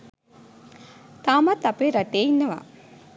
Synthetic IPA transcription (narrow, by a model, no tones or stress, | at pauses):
t̪aːmɐt̪ɐpeɾɐʈeinːɐʋa̰